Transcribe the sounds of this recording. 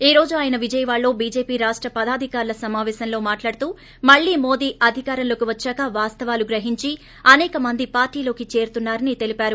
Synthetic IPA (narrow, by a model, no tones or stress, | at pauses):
iːɾo̞ːd͡ʒuaːjɐnɐʋid͡ʒɐjɐʋaːɭːo̞ːbiːd͡ʒe̞ːpiːɾaːʂʈɾɐpɐd̪aːd̪ʱikaːɾlɐsɐmaːʋɛːsɐnlo̞ːmaːʈlaːɽut̪uː | mɐɭːiːmo̞ːd̪iːʔɐd̪ʱikaːɾɐnloːkiʋɐt͡ʃːaːkɐʋaːst̪ɐʋaːluɡɾɐɦiɲt͡ʃi | ɐnɛːkɐmɐnd̪ipaːɾʈiːlo̞ːkit͡ʃe̞ːɾt̪unːaːɾɐnit̪elipaːɾu